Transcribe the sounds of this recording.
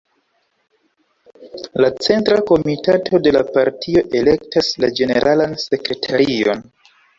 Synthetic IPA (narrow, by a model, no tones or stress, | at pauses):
lat͡se̞ntɾako̞mitatʰo̞de̞lapaɾtʰio̞ʔe̞le̞ktaslad͡ʒe̞ne̞ɾʔalanse̞kɾe̞tʰaɾio̞̰n